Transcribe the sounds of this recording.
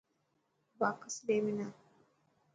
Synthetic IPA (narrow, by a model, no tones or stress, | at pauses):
bakasdemina